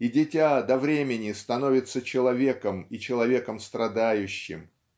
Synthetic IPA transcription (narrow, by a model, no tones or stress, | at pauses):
idʲɪtʲad̪ɐvɾʲemʲɪnʲɪst̪ɐno̞vʲɪt̪sət͡ɕɪlˠɐvʲe̞kəmit͡ɕɪlˠɐvʲe̞kəmst̪ɾɐd̪ajʉɕːɪ̰m